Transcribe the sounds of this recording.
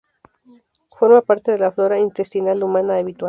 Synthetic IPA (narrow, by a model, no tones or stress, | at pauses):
fo̞ɾmapaɾt̪e̞ðe̞laflo̞ɾaint̪est̪inalumãnaːβit̪wa